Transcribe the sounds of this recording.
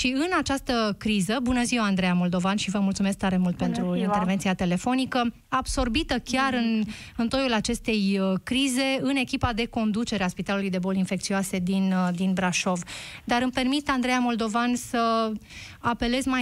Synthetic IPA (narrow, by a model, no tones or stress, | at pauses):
ʃiɨnat͡ʃast̪əkɾizəbunəziwand̪ɾejamo̞ld̪o̞vanʃivəmult̪sume̞sk̚t̪aɾe̞mult̪̚pe̞nt̪ɾuint̪erve̞nt̪siat̪e̞le̞fo̞nikə | abso̞rbit̪əkʲarɨn | ɨnt̪o̞julat͡ʃe̞st̪e̞jkɾize̞ɨne̞kʲipad̪e̞ko̞nd̪ut͡ʃe̞ɾeaspit̪alulujd̪e̞bo̞linfe̞k̚t̪sioase̞d̪ind̪inbɾaʃo̞vd̪aɾɨmpe̞rmit̪and̪ɾejamo̞ld̪o̞vansə | ape̞le̞zma